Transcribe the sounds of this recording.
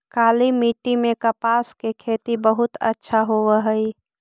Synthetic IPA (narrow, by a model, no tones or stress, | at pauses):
kaːlimiʈimẽkəpaːskekʰeːt̪ibəɦʊt̪ə̰tːʃʰaɦoʋəɦəi